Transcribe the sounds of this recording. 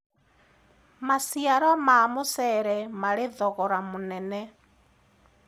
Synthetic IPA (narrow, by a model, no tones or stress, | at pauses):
masiaɾɔmaːmʊsɛɾɛmalɪðɔɣɔɾamunɛnɛ